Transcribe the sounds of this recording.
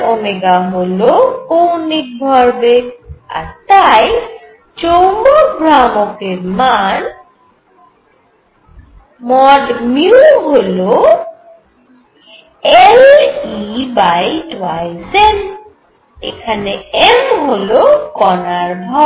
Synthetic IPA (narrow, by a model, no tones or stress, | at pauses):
omeɡaɦolokownik̚bʱɔɾbea̰ɾt̪aj | t͡ɕowmbobʱɾamokeɾman | mɔdmiɦolo | elibajʈwajsen | ḛkʰaneemɦolokɔnaɾbʱɔ